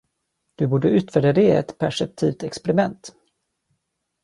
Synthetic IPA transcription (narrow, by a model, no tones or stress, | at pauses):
d̪̥ɵbuːɖəʉ̟ːt̪fœːɖad̪eɛ̰t̪pʰæʂɛp̚t̪ʰiːvt̪ɛkspɛɾɪmɛnt̪